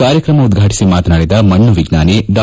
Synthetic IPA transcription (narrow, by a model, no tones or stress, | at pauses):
aːɾjɐkɾɐmɐud̪ɡʱaːʈi̥simaːt̪naːɽid̪ɐmɐɳːuʋiɡnaːneɖɐ